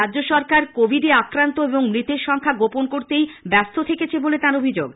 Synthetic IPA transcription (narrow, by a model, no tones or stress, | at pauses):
ɾadd͡ʑoʃɔɾkaɾkobʱiɖeakɾant̪oeboŋmɾit̪eɾʃɔŋkʰaɡoponkoɾt̪ejbɛst̪ʰot̪ʰeket͡ɕʰebolet̪aɾobʱid͡ʑo̰ɡ